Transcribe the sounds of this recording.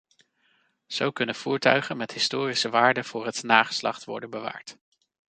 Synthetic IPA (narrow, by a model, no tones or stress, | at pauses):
z̥owkɵnənv̥uːɹtœɥχənmɛtɦɪstoːrisəʋaːɹdəv̥ʊːɹɦətnaːχə̥slɑ̰χtʋɔ̰ɹdənbəʋa̰ːɹt